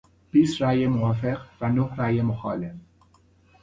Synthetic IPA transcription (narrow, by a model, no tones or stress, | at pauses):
b̥iːst̪ɾæːjemovɒːfe̞qvænohɾæːjemoxɒːlef